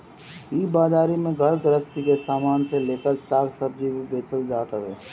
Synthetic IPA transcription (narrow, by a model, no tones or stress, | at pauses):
iːbaːd͡ʒaːɾimẽɡʱəɾɡɾəst̪ikesaːmaːnseleːkəɾsaːɡsəb̚d͡ʒibʱibeːt͡ʃəld͡ʒaːt̪ɦɛː